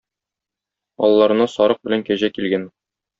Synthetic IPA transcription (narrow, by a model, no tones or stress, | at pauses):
ɒ̰lˠːɑɾɤ̆nɑsɒɾɤq̚bɘ̆læŋkæʑækilɡæn